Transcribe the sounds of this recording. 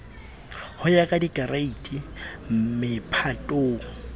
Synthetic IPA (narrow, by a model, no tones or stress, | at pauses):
hʊjakʼadikʼaraitʼim̩mɪpʰatʼoːŋ̩